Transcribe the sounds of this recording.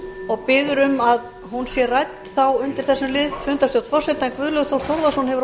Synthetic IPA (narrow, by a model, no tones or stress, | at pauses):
ɔɣpɪːðʏɾʏmað | ɦunsjɛrajt̪nθawʏnt̪ɪɾ̥θɛsːɪmlɪðfʏnt̪ast̪jowt̪fɔsɛt̪aɛnkvʏðlœɣθɾθowɾðasɔnhɛvʏɾ